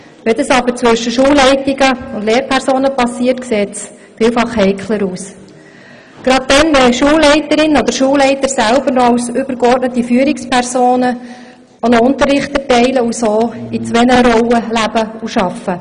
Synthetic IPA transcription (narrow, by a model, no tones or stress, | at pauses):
ʋɛd̪əsɑbəɾt͡sʋʏʃəʃuːlːɛɪtiɡəʊndleːɾpʰɛɾsoːnəpɑsiːərtkseːts | fiːlfɑχhɛɪkʰləɾuːs | ɡ̥ɾɑd̪̚dɛnʋɛʃuːlɛɪtəɾɪnəɔd̪əɾʃuːlːɛɪt̪əɾsælb̥əɾnɔɑlsʏb̥əɾkɔrtnət̪ifyːɾikspʰɛɾsoːnə | ɔnɔʊnt̪əɾːɪχtɛtɛɪləusoːit͡sʋɛnəɾɔwəlæb̥əuʃɑfːə